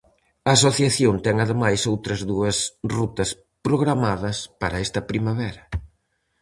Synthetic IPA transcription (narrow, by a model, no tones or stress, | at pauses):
ɐːsoθjaθjont̪ɛŋɐðemajsowt̪ɾɐzðuɐsrut̪ɐs | pɾoɣɾamaðɐspaɾɐɛst̪ɐpɾimaβɛɾɐ